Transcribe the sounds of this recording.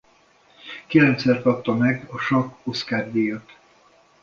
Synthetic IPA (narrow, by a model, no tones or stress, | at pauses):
kilɛnt̪sɛrkɒp̚t̪ɒmɛɡɒʃɒko̞skaːrd̪iːjøt̪